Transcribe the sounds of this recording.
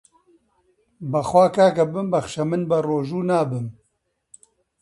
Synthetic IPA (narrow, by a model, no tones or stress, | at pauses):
bɐxwaːkaːkɐbɨmbɐxʃɐmɨnbɐroːʒuːnaːbɨm